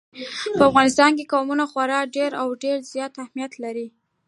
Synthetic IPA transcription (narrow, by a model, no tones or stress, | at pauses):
pəafɣɑnɪs̬t̪ɑnkekɑmunaxwaɾɑɖeɾawɖeɾzjɑt̪ahmijat̪laɾi